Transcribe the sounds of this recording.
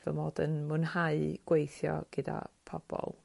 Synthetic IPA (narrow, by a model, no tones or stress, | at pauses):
vəmoːdənmʊnhaɨɡ̥wejθjɔɡ̥əda̰pʰɔb̥ɔ̰lˠ